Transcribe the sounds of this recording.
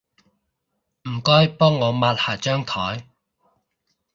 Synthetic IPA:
m̩˨˩kɔː˥jpɔː˥ŋːɔː˨˧maː˧t̚haː˨˩t͡ʃœː˥ŋt̪ʰɔː˨˥j

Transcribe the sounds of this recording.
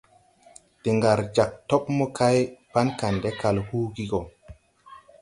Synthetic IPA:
te˨ŋɡa˨ɾd͡ʒa˨k̚to˦pmɔ˦kʰa˦jpa˦nka˨nde˦ka˨lhuː˦ɡi˦ɡo˨

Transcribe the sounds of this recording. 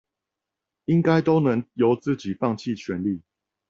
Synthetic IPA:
i˦ŋka˦ɪt̪o˥˦ʊnə˧˦ŋjo˨˦ʊt͡sɹ̩˥˨t͡ɕi˨˩fɑ˥˨ŋt͡ɕʰi˥˨t͡ɕʰɥɛ˨˦nli˥˨

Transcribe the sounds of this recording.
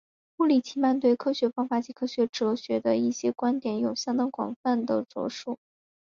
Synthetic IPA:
u˥˩li˨˩t͡ɕʰi˧˥ma˥˧nt̪we˥˩ɪkʰɤ˥ɕɥɛ˧˥fɑ˥ŋfa˧˥t͡ɕi˧˥kʰɤ˥ɕɥɛ˧˥ʈ͡ʂɤ˧˥ɕɥɛ˧˥d̪ə˧i˥˩ɕjɛ˥kwa˥nt̪jɛ˨˥njo˨˩ʊɕjɑ˥ŋt̪ɑ˥ŋkwɑ̰˨˩ŋfa˥˩nd̪ə˩t͡swɔ̰˧˥ʂu˥˩

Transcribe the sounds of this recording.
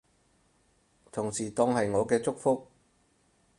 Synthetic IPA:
t̪ʰʊ˨˩ŋsiː˨˩t̪ɔː˧ŋhɐ˨jŋɔː˨˧kɛː˧t͡sʊ˥k̚fʊ˥k̚

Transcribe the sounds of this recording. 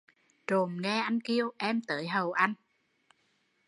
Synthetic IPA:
t͡ɕo˨˩mŋɛ˧ʔa˧jŋ̟ki˧əwʔɛ˧mt̪əː˨˦jɦə˨˩wʔa˧jŋ̟

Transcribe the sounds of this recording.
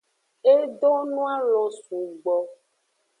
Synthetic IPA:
e˦ɖo˦nũ˦a˦lɔ˨su˨ɡ͡bɔ˨

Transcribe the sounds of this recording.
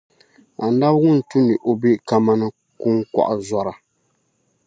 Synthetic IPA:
a˨n˦da˦bŋʊ˦n̩˨tu˦ni˨ʔo˨bi˦ka˦ma˦nɨ˦ | ku˦ŋka̰˨ʔzɔ˦ɾa˨

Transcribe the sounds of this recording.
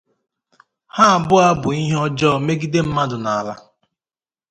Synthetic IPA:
ha˦a˨bʊ˦a˦bʊ˨i˦ɦe˦ɔ˦d͡ʒɔː˦˨me˦ɡi˦de˦m̩˦ma˦dʊ˨na˨a˨la̰˦

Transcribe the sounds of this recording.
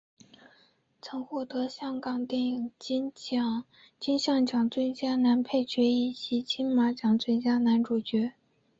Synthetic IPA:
t͡sʰɤ˧˥ŋxwɔ˥˩t̪ɤ˧˥ɕjɑ˥ŋkɑ˨˩ŋt̪jɛ˥˩˨ŋ˥ | t͡ɕi˥nɕjɑ˥˩ŋt͡ɕjɑ˨˩ŋt͡swə˥nt͡ɕja˥na˧˥npʰe˥˩ɪt͡ɕɥɛ˧˥i˥˩ɕi˧˥t͡ɕʰi˥nma˧˥t͡ɕjɑ˨˩ŋt͡swə˥nt͡ɕja˥na˧˥nʈ͡ʂu˨˩t͡ɕɥɛ˧˥

